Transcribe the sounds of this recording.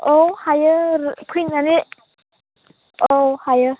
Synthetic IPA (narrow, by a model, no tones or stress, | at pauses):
owhajəɾkʰinani | ohajə